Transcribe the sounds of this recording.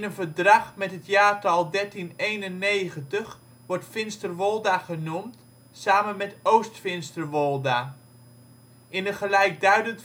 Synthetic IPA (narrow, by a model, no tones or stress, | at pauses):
nənvəɹdrɑχmɛtɦətjaːtɑlˠdɛɹtinejnənːejχəntəχ | ʋɔɹtfɪnstərʋɔlˠdaχənumt | saːmənmɛtowstfɪnstərʋɔlˠda | ʔɪnənχəlɛjk̚dœɥdənt